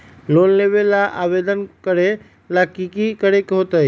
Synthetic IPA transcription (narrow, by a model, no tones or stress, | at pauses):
loːnleːʋelaʔa̰ːʋeːd̪ənkəɾe | lakikikəɾekɦot̪ai